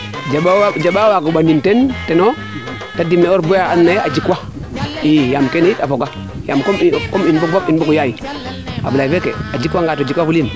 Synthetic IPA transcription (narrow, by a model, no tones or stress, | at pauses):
d͡ʒaad͡ʒaɓawakuɓanintenteno | tadimːeoɾbojaanːead͡ʒikwa | ijamkenitafoɡa | jamkomikominbuk̚bopinbukujaji | a̰bulaifekḛad͡ʒikwaŋɡaːtːd͡ʒikwafulin